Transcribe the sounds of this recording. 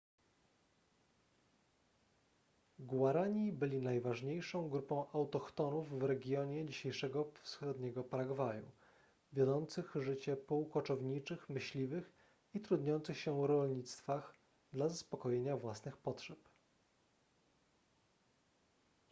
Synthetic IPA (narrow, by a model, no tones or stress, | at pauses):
ɡwaɾaɲibɘlʲinajvaʐɲejʂɔ̃w̃ɡɾupɔ̃w̃ʔawt̪ɔxt̪ɔnuvːɾɛɡʲjɔɲɛd͡ʑiɕejʂɛɡɔfsxɔd̪ɲɛɡɔpaɾaɡvajṵ | vʲjɔd̪ɔnt̪sɘxʐɘt͡ɕɛpɔwkɔt͡ʂɔvɲit͡ʂɘxmɘɕlʲivɘx | it̪ɾud̪ɲɔnt̪sɘxɕɛɾɔlɲit̪st̪fax | d̪lazaspɔkɔjeɲavwasnɘxpɔtʂɛp